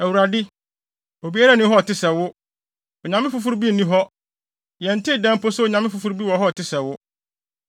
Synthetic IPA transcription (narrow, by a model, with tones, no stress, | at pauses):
æ˨wu˨ɾa˨dɪ˦ | o˨bi˦a˦ɾa˦nɪ̃˦ɦɔ˦ɔ˨tɪ˦sɛ˨wʊ˦ | ɔ˨ɲã˨m˦ɪ̃˦fʊ˨fu˦ɾbi˦n̩˨nĩ˦ɦɔ˦ | jɛ̃˨n̩˨tʰɪ˦˨dɛ̃˦m˦pʰo˦sʊ˦o˨ɲã˨m˦ɪ̃˦fʊ˨fu˦ɾbi˦wɔ˨ɦɔ˦ɔ˨tʰɪ˦sɛ˨wʊ˦